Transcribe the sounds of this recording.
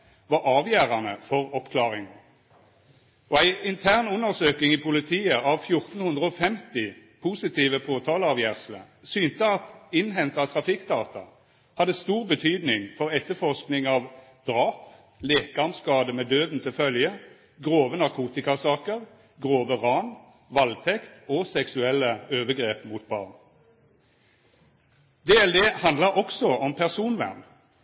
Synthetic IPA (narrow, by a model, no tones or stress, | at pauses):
ʋɑʁɑːʋjæːʁɑnəfɔʁɔpkʰlɑːʁɪŋn̩ | ʔɔæɪʔɪnt̪ʰæːʁnʉnːəʁsøːkɪŋɪpʰʊlɪt̪ʰiːəʔɑʋfjʊʁt̪n̩hʉnd̪ʁəɔfɛmt̪ɪpʰusɪt̪ʰiːʋəpʰoːt̪ʰɑːləɑʋjæːʁslə̰ | syːnt̪əɑt̪ɪnɦɛnt̪ɑt̪ʰʁɑfɪkd̪ɑːt̪ʰɑ̰ | hɑd̪əst̪uːʁbət̪ʰyːd̪nɪŋfɔʁɛt̪ːəfɔʁsknɪŋɑʋ | d̪̥ʁɑːp | leːkəɑmskɑːd̪əmeːd̪øːd̪n̩t̪ʰɪlfœljə | ɡʁoːʋənɑʁkʰuːt̪ɪkɑsɑːkəʁ | ɡʁoːʋəʁɑn | ʋɑlt̪ʰɛkt̪oːsɛksʉɛlːəøːʋəɡʁeːpmuːt̪̚bɑ̰ːʁn | d̪eːɛld̪eːhɑnd̪ləɔksɔɔmpʰæʁsuːnʋæ̰ʁn